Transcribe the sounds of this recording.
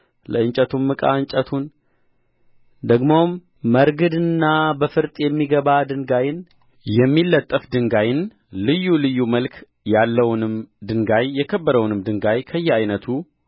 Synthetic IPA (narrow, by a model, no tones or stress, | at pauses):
ləɨnt͡ʃʼət̪ʰumːɨkʼa̰ɨɲt͡ʃʼət̪ʰun | d̪əɡmomː | əɾɡɨd̪ɨnːabəfɨɾt̪ʼjɛmːiɡəβad̪ɨŋɡajɪn | jɛmːilːət̪ʼːəfd̪ɨŋɡajɪn | lɨjːulɨjːuməlkʰ | jalːəwnɨmd̪ɨŋɡajːɛkʰəbːəɾəwnɨmd̪ɨŋɡajkʰəjːɛajnət̪ʰu